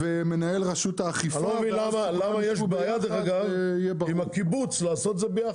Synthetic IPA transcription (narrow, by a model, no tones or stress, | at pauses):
vemenaelʁaʃut̪aːχifalovilamalamajʃeʃbajad̪ʁaɡajɛbimhakibut͡slaːso̞t̪zebeja